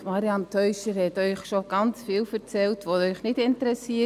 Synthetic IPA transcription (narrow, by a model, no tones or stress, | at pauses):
mɑɾiɑmtʰœʏʃəɾhɛtœʏχʃoɡ̥ɑnt͡sfiːlfəɾt͡sɛltvoœʏχnɪtɪntəɾɛsiːə